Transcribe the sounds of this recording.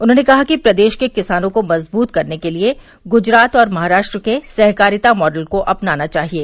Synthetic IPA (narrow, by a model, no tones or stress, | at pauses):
ʊnɦõnekɐɦakipɾɐd̪eːʃkekɪsaːnõkomɐzbuːt̪kɐɾnekelie | ɡʊd͡ʒɾaːt̪ɔːɾmɐɦaːɾaːʃʈɾəkesɛɦkaːɾɪt̪amɔːɖəlkoʔɐpnaːnat͡ʃaːɦieː